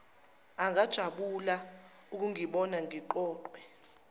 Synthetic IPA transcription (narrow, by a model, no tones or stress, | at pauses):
aŋad̥ʒ̥ʱaɓula | uk̬uŋiɓɔnaŋiǃɔːǃwɛ